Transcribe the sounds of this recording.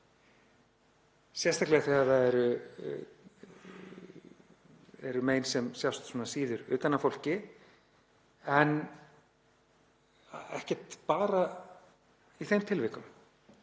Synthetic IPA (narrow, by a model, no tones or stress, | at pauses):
sjɛrst̪aklɛɣaθɛaðaɛɾʏ | ɛ̰ɾʏmeːjnsɛmsjawst̪sumnasiːðʏɾʏːt̪anːafowl̥cɪ | ɛn | ɛ̰hcɛ̥t̪paːɾa | iθejmt̪ʰɪlvɪkʏm